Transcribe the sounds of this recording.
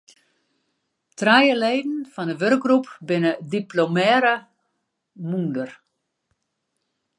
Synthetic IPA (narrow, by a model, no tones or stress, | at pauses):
trajəleːdn̩fɔndəʋørk̚ɡrupbɪnədiplomɛːɾə | mundər